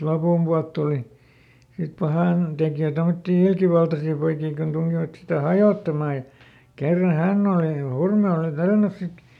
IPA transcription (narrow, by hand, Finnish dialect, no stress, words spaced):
lopumpuɑlt tuˑli sit pɑhɑˑn tekjøˑ tomotːiː ilkiʋɑltɑsiː poikiː kun tuŋkiʋɑt sitæ hɑjoˑtːɑmɑˑ jɑ kerːɑ hænː oˑli hurme oˑli tælːænys sit